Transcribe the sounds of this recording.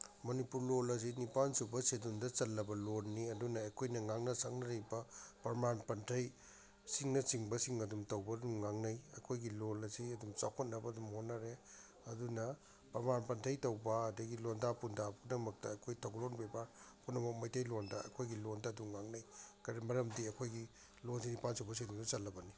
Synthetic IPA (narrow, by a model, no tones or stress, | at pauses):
mɐnipuɾlolɐs̬inipansubɐsedundɐt͡ʃɐlːɐbɐlonːiɐdunɐːjkʰojnɐŋaŋnɐsak̚nɐɾebɐpɐɾmanpɐntʰɐj | siŋnɐsiŋbɐsiŋɐdumtɐwbɐdumŋaŋnɐjɐkʰojɡilolɐziɐdumt͡ʃakʰot̚nɐbɐdumhotnːɐɾe | ɐdunɐ | pɐɾmanpɐntʰɐjtɐwbɐːdɐɡilondapundabɡnɐmɐk̚tɐːkʰojtʰɐwɡlonbebaɾpʰutnɐmok̚mɐjtʰɐjlondɐɐ̰kʰojɡilondɐːdumːaŋnɐjkɐɾimɐɾɐmdiɐkʰojɡi | lons̬inipansowbɐs̬idumdusɐlːɐbɐni